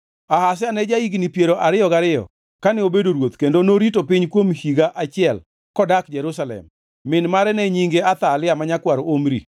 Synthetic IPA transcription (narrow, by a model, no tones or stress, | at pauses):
ahas̬ɪanɛd͡ʒaiɡnipjeɾoʔaɾɪɔɡaɾɪjɔ̰ | kanɛobedoɾwot̪kendonoɾitopɪɲkwomhiɡaʔat͡ʃɪɛl | kɔdakd͡ʒɛɾusalɛ̰mː | ɪnmaɾɛnɛɲiŋɡeat̪alɪamaɲakwaɾoomɾḭ